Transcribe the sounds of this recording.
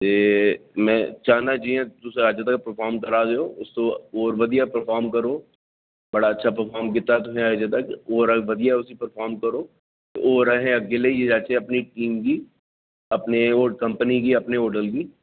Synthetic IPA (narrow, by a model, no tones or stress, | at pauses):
t̪eːmɛ̃t͡ʃaːnad͡ʒiɛ̃t̪ʊseaːd͡ʒət̪̬ɐkpəɾfʰaːɾmkɐɾaːd̪eoːʊskooːɾʋɐd̪ijapəɾfʰaːɾmkɐɾoː | bɐɽaɐtːʃʰapəɾfʰɔːɾmkɪt̪ːat̪ʊɦɛ̃aːd͡ʒet̪ɐkoːɾaʋɐd̪ijaʊsipəɾfʰaːɾmkɐɾo̰ː | ʔoːɾɐɦɛ̃ɐɡɪlejed͡ʒaːt͡ʃeɐpniʈiːmki | ɐpneoːkɐ̃mpənikiɐpneoːɖəlkiː